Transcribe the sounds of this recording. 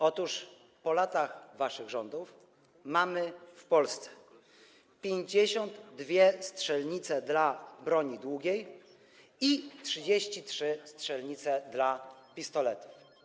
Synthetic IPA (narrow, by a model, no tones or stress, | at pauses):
ɔt̪uʂ | pɔlat̪axvaʂɘɣʐɔnd̪uf | mamɘfpɔlst̪sɛ̥ | pʲjeɲd͡ʑeɕɔnd̪ːvʲjɛstʂɛlɲit̪sɛd̪labɾɔɲid̪wuɡʲej | itʂɘd͡ʑeɕt͡ɕitʂɘstʂɛlɲit̪sɛd̪lapʲist̪ɔlɛt̪u̥f